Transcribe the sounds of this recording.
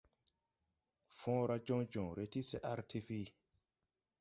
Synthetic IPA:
fɔ̃ː˦ɾa˦d͡ʒɔ̃˦d͡ʒɔ̃˨ɾe˦ti˦se˦ʔa˦ɾtʰi˦fi˦

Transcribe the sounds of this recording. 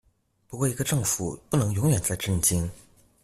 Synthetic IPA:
pu˧˥kwɔ˥˩i˧˥ɡə˧ʈ͡ʂɤ˥˩ŋfu˨˩pu˥˩nɤ˧˥ŋjʊ˧˥ŋɥɛ˨˩nt͡sa˥˧ɪʈ͡ʂə˥˩nt͡ɕi˥ŋ

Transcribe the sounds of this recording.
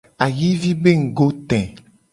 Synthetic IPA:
a˨ji˦vi˦be˦ŋ̩˨ɡo˦t̪ɛ̃˨

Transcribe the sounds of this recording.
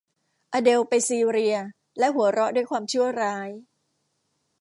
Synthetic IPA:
ʔaː˧de˧wpa˧jsiː˧ɾi˧ɐ | lɛ˦˥ɦu˩˦ɐɾɔ˦˥ʔduː˥˩əjkʰwaː˧mt͡ɕʰɯ˥˩ɐɾaː˦˥j

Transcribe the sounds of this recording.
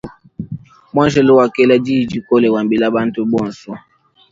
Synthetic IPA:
mwa˦ʒɛ˨lo˦wa˨kɛ˦la˦d͡ʒi˦˨d͡ʒi˦kɔ˦lɛ˨wa˨mbi˨la˦ba˦ntu˦bɔ˦˨nsɔ˦

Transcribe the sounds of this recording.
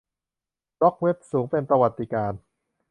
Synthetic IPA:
ɾɔ˦˥k̚we˦˥p̚suː˩˦ŋpe˧npɾa˧wa˨˩t̪ːi˧˩kaː˧n

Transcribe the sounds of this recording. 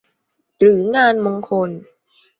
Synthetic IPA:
ɾɯː˩˦ŋaː˧nmoː˧ŋkʰo˧n

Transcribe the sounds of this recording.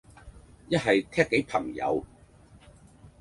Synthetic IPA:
jɐ˥t̚ɦɐ˨jt̪ʰɛː˥kːe˨˥jpʰɐ˨˩ŋjɐ̰˨˧w

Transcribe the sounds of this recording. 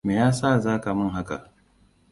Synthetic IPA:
meː˨jaː˦saː˦˨zaː˦ka˨mɐ˦ŋɦa˦ka̰˨ʔ

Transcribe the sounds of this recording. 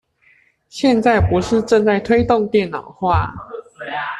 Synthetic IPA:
ɕjɛ˥˧nt͡sa˥˩ɪpu˨˧˥ʂɻ̩˥˧ʈ͡ʂə˥˧nt͡sa˥˩ɪt̪ʰwe˥ɪt̪ʊ˥˨ŋt̪jɛ˥˨˩nnɑ˨˩ʊxwa˥˩

